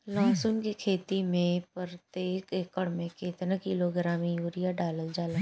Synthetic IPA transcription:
lãːsʊnkikʰeːt̪imẽpəɾt̪eːkekəɽmẽkeːt̪nakiloɡɾaːmijuːɾijaɖaːləld͡ʒaːla

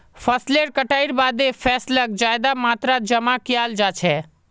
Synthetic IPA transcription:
pʰəsleɾkəʈaɪɾbaːd̪epʰɛːslək̚d͡ʒajd̪amaːt̪ɾad͡ʒəmakijald͡ʒat͡ʃʰɛ

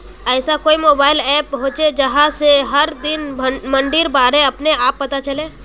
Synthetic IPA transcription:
ɛːsakoːimoːbaːɪlɛːpɦõːt͡ʃed͡ʒɐɦãseɦɐɾd̪ɪnmɐ̃ɳɖiːɾbaːɾẽɐpneaːpːɐt̪at͡ʃɐlẽː

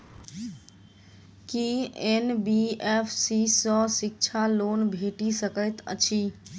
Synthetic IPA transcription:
kienbiepʰsisɔsik̚t͡ʃʰalonbʱeʈisəkəjt̪ə̰t͡ʃʰi

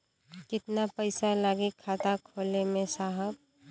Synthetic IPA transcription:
kɪt̪napəɪsalaːɡekʰːaːt̪akʰoːlemẽsaːɦəb̚

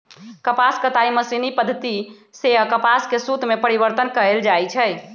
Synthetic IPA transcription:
kəpaskət̪aiməsinipəd̪ʱːət̪i | seɦəkəpaskesut̪mepəɾibəɾt̪ənkəeld͡ʒajt͡ʃʰəj

